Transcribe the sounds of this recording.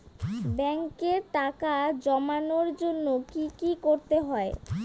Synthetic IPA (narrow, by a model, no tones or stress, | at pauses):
bɛŋkeɾʈakad͡ʑɔmanoɾd͡ʑonːokikikoɾt̪eɦɔe